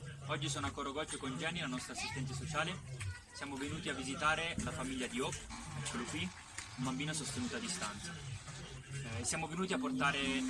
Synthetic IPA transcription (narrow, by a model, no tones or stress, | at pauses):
ɔd͡ʒːisoːnakːoɾoɡɔt͡ʃːokond͡ʒɛnilanɔst̪ɾasːist̪ɛnt̪as̬ot͡ʃaːle | sjaːmovenuːt̪iavːizit̪aːɾelafamiʎːad̪iɔkɛkːolokwi | umbambiːnasost̪enuːt̪oad̪ːist̪ant̪sa | esjaːmovenuːt̪iapːort̪aːɾe